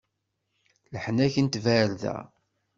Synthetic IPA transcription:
ləħnæçənt̪væɾðæ̰

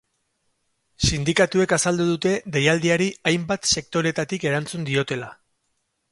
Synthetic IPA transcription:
sind̪ikat̪ue̞kasald̪uðut̪e̞ðejald̪iaɾiajmbat̪se̞k̚t̪o̞ɾe̞t̪at̪ike̞ɾant͡sund̪io̞t̪e̞la

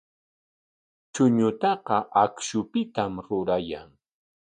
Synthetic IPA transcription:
t͡ʃʊɲʊt̪ɑqɑʔakʃʊpɪt̪amɾʊɾaja̰ŋ

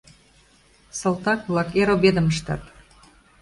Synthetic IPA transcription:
sɤ̆lˠt̪ɑk̚βlˠɑkeɾobed̪ə̆məʃt̪ɑ̰t̪

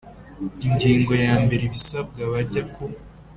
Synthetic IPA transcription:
iɲɟiːŋɡo̞jaːmbe̞ɾeβisab̚ɡaβaɟako

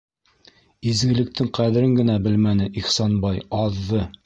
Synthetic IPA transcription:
izɡɘ̆lɘ̆k̚t̪ʰɘŋqæðɘ̆ɾɘŋɡɘ̆næbɘlmænɘʔiχsɑnbɑjɑðːɤ

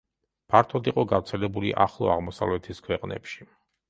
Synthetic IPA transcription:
pʰaɾt̪ʰɔd̪iqʼɔɡaɾt̪sʰɛlɛbuliʔaχlˠɔ̰aʁmɔsa̰vlɛt̪ʰiskʰwɛqʼnɛ̰pʃi̥

